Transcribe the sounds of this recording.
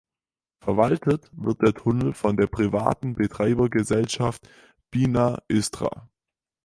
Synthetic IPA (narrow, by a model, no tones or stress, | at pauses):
fɛɐvaltʰətv̥ɪɐt̚d̥eːɐtʰʊnl̩fɔndeːɐpʁ̥iva̰ːtn̩bətʁ̥aɪbɐɡəzɛlʃaft | b̥iːnaʔʏstʁ̥a̰ː